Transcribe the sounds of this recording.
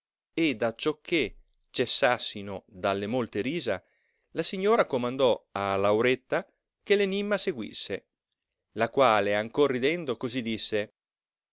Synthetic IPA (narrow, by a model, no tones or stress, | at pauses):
ed̪at͡ʃːɔkʰːe | t͡ʃesːasːinod̪alːemolt̪eɾiːza | lasiɲːoːɾakomand̪ɔalawɾet̪ːa | kelenimːaseɡwḭsːe | lakwaːleaŋkorːid̪ɛnd̪okozid̪isːe